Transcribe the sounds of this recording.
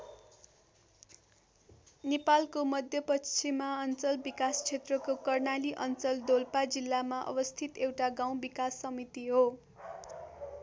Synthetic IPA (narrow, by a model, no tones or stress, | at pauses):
nepalkomʌd̪ʱjʌpʌt͡sʰimaʌnt͡sʌlbikast͡sʰet̪rʌkokʌrnaliʔʌnt͡sʌld̪olpad͡zilːamaʔʌ̰bʌst̪ʰit̪ewʈaɡaw̃bikasːʌmit̪iɦo